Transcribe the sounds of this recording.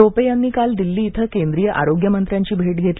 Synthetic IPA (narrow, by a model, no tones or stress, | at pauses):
opejanːiːkald̪ilːiːt̪ʰəkend̪ɾijəʔa̰ɾoɡjəmənt̪ɾjãɲt͡ɕiːbʱeʈɡʱet̪li